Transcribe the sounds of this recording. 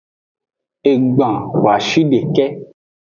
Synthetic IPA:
e˧ɡ͡bã˨wo˨a˨ʃi˦ɖe˨kɛ˦

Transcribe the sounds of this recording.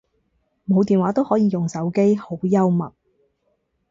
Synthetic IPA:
mo˨˧wt̪iː˨nwaː˨˥t̪o˥whɔː˨˥jiː˨˧jʊ˨ŋsɐ˨˥wke˥jho˨˥wjɐ˥wmɐ˨t̚

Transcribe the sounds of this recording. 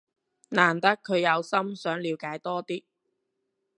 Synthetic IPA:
naː˨˩nt̪ɐ˥kʰːɵ˨˧ɥjɐ˨˧wsɐ˥msœː˨˥ŋliː˨˧wkaː˨˧˥jt̪ɔː˥t̪iː˥

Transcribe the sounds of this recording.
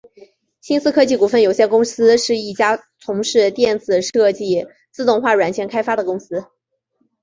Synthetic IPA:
ɕi˥nsɹ̩˥kʰɤ˥t͡ɕi˥˩ku˨˩fə˥˩njo˨˩ʊɕjɛ˥˧nkʊ˥ŋsɹ̩˥ʂɻ̩˥˧i˥˩t͡ɕja˥ | t͡sʰʊ˧˥ŋʂɻ̩˥˧t̪jɛ˥˩nt͡sɹ̩˨˩ʂɤ˥˧t͡ɕi˥˩ | t͡sɹ̩˥˧t̪ʊ˥˧ŋxwa˥˩ɻwa˨˩nt͡ɕʰjɛ˧˥nkʰa˥ɪfa˥d̪ə˨kʊ˥ŋsɹ̩˥

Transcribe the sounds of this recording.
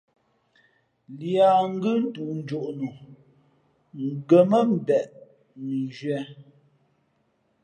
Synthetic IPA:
lja˨ŋ̩˦ɡɯ˦n̩˦tu˨n̩˦d͡ʒo˨ʔnu˨ | ŋ˨ɡə˨mə˦m̩˨bɛ˨ʔ | ni˨d͡ʒɥɛ˨˦

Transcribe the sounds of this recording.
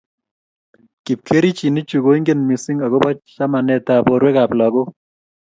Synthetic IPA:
ki˨p̚kʰe˦ɾi˦t͡ʃi˨ni˦t͡ʃu˨ɡo˦i˦ŋɡe˦nmi˨si˦ŋa˨ɡo˦bɔ˦t͡ʃt͡ʃa˦ma˨nɛ˨ta˨bɔ˨ɾwe˦ka˨pla˨ɡo˦

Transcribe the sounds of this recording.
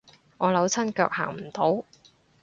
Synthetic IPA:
ŋɔː˨˧lɐ˨˥wt͡sʰɐ˥nkœː˧k̚ha̰ː˨˩ŋm̩˨˩t̪o˨˥w

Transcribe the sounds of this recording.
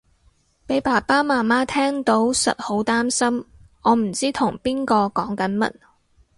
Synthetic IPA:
pe˨˥jpaː˨˩paː˥maː˨˩nmaː˥t̪ʰɛː˥ŋt̪o˨˥wsɐ̰˨t̚ho˨˥wt̪aː˥msɐ˥m | ɔː˨˧m̩˨˩t͡siː˥t̪ʰʊ˨˩ŋpiː˥nkɔː˧kɔː˨˥ŋkɐ˨˥nmɐ̰˨˥t̚

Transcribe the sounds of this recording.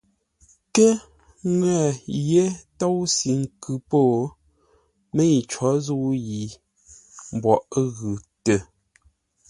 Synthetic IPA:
kɛ˦ | ŋwɛ˦˨je˦to˦wsi˨ŋ̩˨kʉ˨poː˦˨ | me˦i˨t͡ʃwɔ˨˦zu˦wji˨ | m˨bwɔ˨ʔɣʉ˨tə˨

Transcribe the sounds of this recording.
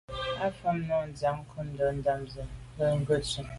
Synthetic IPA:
a˦fə˦mnɔ˦˨n̩˨d͡za˨˦ŋ̩˦kʰu˦n̩˦dɔ˨˦n̩˦da˦˨mzə˨ | bə˦˨ŋ˦ɡə˦˨t͡ʃə˨

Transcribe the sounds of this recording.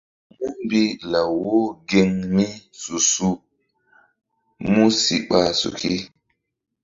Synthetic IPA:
mu˦m˦bi˦la˨wo˦ɡe˦ŋmi˦su˨su˦ | mu˦si˨ɓa˨sṵ˨ki˦

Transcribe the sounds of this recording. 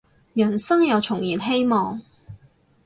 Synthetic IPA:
jɐ˨˩nsɐ˥ŋjɐ˨˧wt͡sʰʊ˨˩ŋjiː˨˩nɦe˥jmɔː˨ŋ

